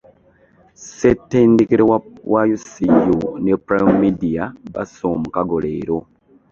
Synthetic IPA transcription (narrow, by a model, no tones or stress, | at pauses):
setːendikiɾewʔajusijunepɾamidiaβa̰soːmukaɡolḛːɾo